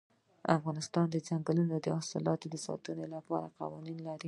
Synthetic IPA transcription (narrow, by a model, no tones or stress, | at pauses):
afɣɑnɪst̪ɑnd̪əzaŋɡalunod̪əɑsɑ̰lɑt̪od̪əsɑ̰t̪ənolapɑɾaqa̰wɑninlaɾi